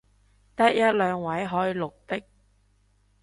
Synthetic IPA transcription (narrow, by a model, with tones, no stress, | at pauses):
t̪ɐ˥t̚jɐ˥t̚lœː˨˧ŋwɐ˨˥jɦɔː˨˥jlʊ˨k̚t̪ɪ˥k̚